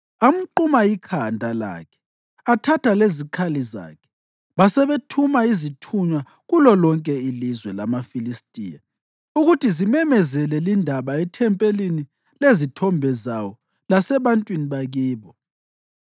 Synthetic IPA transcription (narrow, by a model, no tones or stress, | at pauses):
am̩ǃumaikʰandʱala̰kʰɛ̥ | atʰatʰalezikʰaliza̰ːkʰɛ̥ | βasɛβetʰumaizitʰuɲwa | ɣulɔlɔŋkʼɛilizwɛlamafilistʼiːja | uɣutʰizimɛmɛzɛlɛlindʱaβaɛtʰɛmpʼelini | lezitʰɔmbʱɛzawɔ | lasɛβantʼwiniβaɣiːβɔ